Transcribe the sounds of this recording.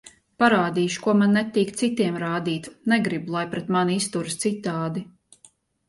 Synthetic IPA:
paɾaːd̪iːʃu̥kuɔmanːɛt̪iːkt̪sit̪iɛmɾaːd̪iːt̪nɛɡɾibulˠajpɾɛt̪manist̪uɾst̪sit̪ːaːd̪i

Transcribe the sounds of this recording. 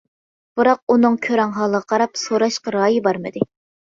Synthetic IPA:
b̥ɨɾɑq̚unɨŋkʲʰøɾɛŋɦɑlˠəʁɑqʰɑɾɑpsoɾɑʃqɑɾɑːjibɑɾmɨd̪ɨ

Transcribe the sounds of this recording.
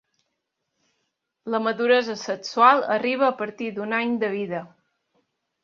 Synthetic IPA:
ləməðuɾɛzəsəksualˠəriβ̞əːpəɾt̪id̪unaɲd̪əβiðə

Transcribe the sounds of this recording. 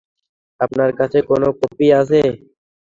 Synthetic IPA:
əpnaːɾkət͡ʃʰeːkoːnoːkoːpiːaːs̬eː

